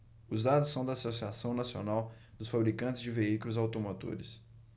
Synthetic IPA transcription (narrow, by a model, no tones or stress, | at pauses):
ʊzd̪ad̪ʊsɐ̃w̃d̪ɐaːsosiasɐ̃w̃nasionaw | d̪ʊsfabɾikɐ̃nt͡ʃɪzd͡ʒɪveikʊlʊzawt̪omot̪o̰ɾɪs